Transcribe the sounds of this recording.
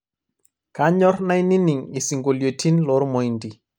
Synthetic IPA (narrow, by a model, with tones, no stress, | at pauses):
ka˦ɲɔ˦ɾna˦jni˦ni˨ŋi˨si˨ŋɡo˨ljo˨tʰi˦nlɔ˦ɾmo˨indi˨